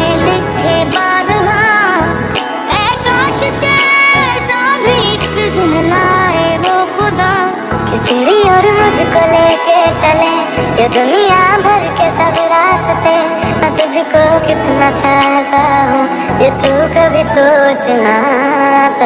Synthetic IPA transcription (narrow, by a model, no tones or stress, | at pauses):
elɪkʰebaːd̪ɦã | eːkaːt͡ʃɪt̪etaːbʱisd̪ʊmlaːeʋoxʊd̪aː | kit̪iɾiɔːɾmʊd͡ʒʱkoleːket͡ʃɐle | jed̪onijabʱɐɾkesɐbɾaːst̪e | ɐt̪ʊd͡ʒʱkokɪt̪nat͡ʃaːɦɦt̪aɦũ | jet̪ukabʱisot͡ʃna | s